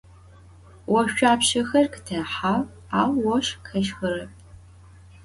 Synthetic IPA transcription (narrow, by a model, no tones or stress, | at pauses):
wɔɕʃʷᶣaːpʃɐxɐrktʰɐħaw | aːwːɔʃkʰɐʃxɐrɐp̚ʼ